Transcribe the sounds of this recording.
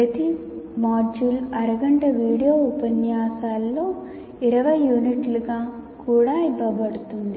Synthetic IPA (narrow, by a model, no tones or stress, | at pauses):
ɐt̪ismaːd͡ʒuːlɐɾɐɡɐɳʈɐʋiːɽijoːupɐnjaːsaːlːo̞ː | iɾɐʋɐjːuːniʈluɡaː | kuːɽaːibɐbɐɽut̪und̪i